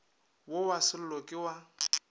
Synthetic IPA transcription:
wowasɪlʊlɔkʼɪwa

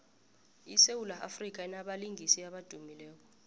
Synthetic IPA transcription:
isewulaʔa̰frik̬aɛnaɓaliŋʱisiaɓad̥ʱumilɛːk̬ɔ̥

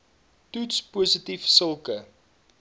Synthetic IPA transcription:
tutspuːsətifsəlˠkə

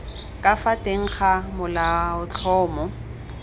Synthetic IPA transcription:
kʼafatʼeŋ̩χamʊlaʊt͡ɬʰɔːmɔ

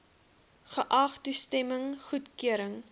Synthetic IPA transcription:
χəʔɐχtustɛməŋχutkyəɾəŋ

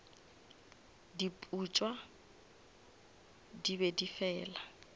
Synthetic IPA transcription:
dipʼut͡ʃʼwa | dibɛdifɛːla

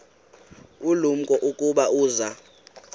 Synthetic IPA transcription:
ulum̩kʼɔʔukʼuɓauːza

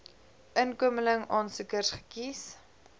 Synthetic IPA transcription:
ʔənkuəmələŋɑːnsəkərsχə̥kis

